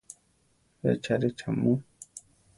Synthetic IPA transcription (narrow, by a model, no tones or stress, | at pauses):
ḛt͡ʃʰaɾet͡ʃʰamu